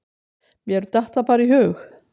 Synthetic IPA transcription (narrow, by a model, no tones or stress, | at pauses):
mjɛɛɾt̪aht̪apaːɾiɦœːx